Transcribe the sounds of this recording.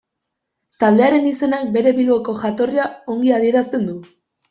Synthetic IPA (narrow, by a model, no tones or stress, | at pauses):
t̪ald̪e̞aɾe̞nise̞nak̚be̞ɾe̞βilo̞ko̞ʝat̪o̞riao̞ŋɡiaðie̞ɾast̪e̞nd̪u